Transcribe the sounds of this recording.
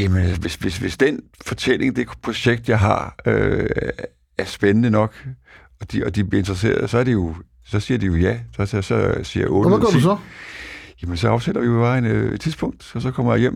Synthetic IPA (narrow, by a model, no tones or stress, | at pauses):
jæmənæsʋe̝sʋe̝sʋe̝sd̥enfɒt͡sʰel̰e̝ŋd̥e̝pʰʁo̝ɕeɡ̥̚d̥jɑ̈ɪɦɑ̰̈ø | æɐsb̥enənənɒ̽ɡ̥ | ɒ̽d̥iɒ̽d̥ib̥liɐe̝nd̥ʁɐs̬e̝̰ːɐðˠsɒ̽æɐd̥ijo̝ | sɒ̽siːɐd̥ijo̝jæsɒssɒsiɐʔɔ̰ɡɐdusɒ | jæmensɒ̽ɑ̈ʊsed̥ɐʋiɒʋ̥ɑ̈ːɪene̥t͡sʰiðˠsb̥ɔ̽ŋ̰d̥ɒ̽sɒ̽kʰɒ̽m̰ɐjɑ̈jem̰